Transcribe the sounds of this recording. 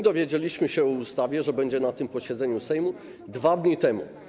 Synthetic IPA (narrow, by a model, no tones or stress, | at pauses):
d̪ɔvʲjed͡ʑelʲiɕmɘɕɛɔust̪avʲjɛʐɛbɛɲd͡ʑɛnat̪ɘmpɔɕɛd̪zɛɲusɛjmu | d̪vad̪ɲit̪ɛmṵ